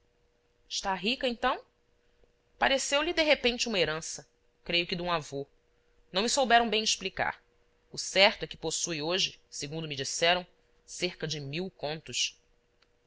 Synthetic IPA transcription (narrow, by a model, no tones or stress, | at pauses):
ɪʃt̪aɦikɐẽnt̪ɐ̃w̃ | paɾesewlɪd̪eɦepẽnt͡ʃɪũmɐeɾɐ̃sɐ | kɾejʊkɪd̪ũavo | nɐ̃w̃mɪsowbɛɾɐ̃w̃bẽj̃ɪʃplika̰ɾ | ʊsɛɾt̪ʊɛkɪ̥posujoʒɪsɪɡũd̪ʊmɪd͡ʒisɛɾɐ̃w̃ | seɾkɐd͡ʒɪmiwkõnt̪ʊʃ